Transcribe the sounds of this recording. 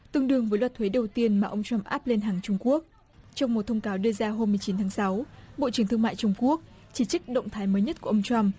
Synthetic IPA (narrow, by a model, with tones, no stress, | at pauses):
t̪ɨ˧əŋɗɨ˧əŋvəː˨˦jlwa˨˩t̪ʰwe˨˦ɗə˨˩wt̪i˧ənmaː˨˩ʔə˧wŋ͡mt͡ɕwa˧mʔaː˦˥p̚le˧nɦaː˨˩ŋt͡ɕʊ˧ŋ͡mku˦˥ək̚ | t͡ɕɔ˧wŋ͡mmo˨˩t̚t̪ʰə˧wŋ͡mkaː˨˦wɗɨ˧əzaː˧ɦo˧mːɨ˨˩ət͡ɕi˨˦nt̪ʰaː˨˦ŋsa˨˦wɓo̰˧˨t͡ɕɨ˧˩ŋt̪ɨ˧əŋma̰ː˧˨jt͡ɕʊ˧ŋ͡mku˦˥ək̚ | t͡ɕi˧˩t͡ɕɨ˦˥k̚ɗə̰˧˨wŋ͡mt̪ʰaː˨˦jməː˨˦jɲə˦˥t̚ku˧˩ʔə˧ŋ͡mt͡ɕwa˧m